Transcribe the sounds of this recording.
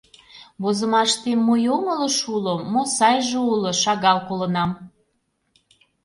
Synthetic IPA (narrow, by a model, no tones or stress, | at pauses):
βozəmɑʃt̪emːojomələ̆ʃulomːosɑjʒeuloʃɑɣɑlkolə̆nɑm